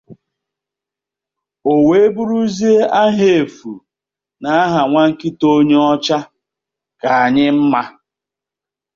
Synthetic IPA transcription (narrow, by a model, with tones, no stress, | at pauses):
o˨we˨e˦bu˦ɾu˦zi˦e˦a˦ɦe˨e˨fṵ˨ | na˨a˦ɦa˨ŋʷa˦ŋ̩˦kɪ˦to˦ɲe˦ɔ˦t͡ʃa˦ | ka˨a˨ɲɪ˦m̩˦ma˦